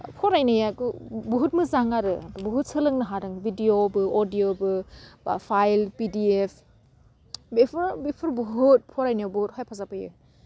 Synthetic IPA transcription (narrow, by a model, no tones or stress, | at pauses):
pʰoɾajnajakubuɦut̚mɯzaŋaɾɯbuɦut̚sɯlɯŋnɯɦaɾɯŋbidiobɯodijobɯpʰajlpidiepʰ | bepʰɯɾbepʰɯɾbuɦut̚pʰɔɾajnajbuɦut̚hajpʰazapɯjɯ̰